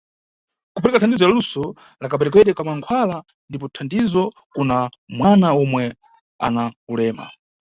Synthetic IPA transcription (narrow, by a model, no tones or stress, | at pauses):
kupʰɛɾɛkatʰandizɔjalusɔ | lakapɛɾɛk̬wɛɗɛkamaŋkʰwala | ndipɔtʰandizɔ | kunamwanaɔmwɛ | a̰nakulɛːma̰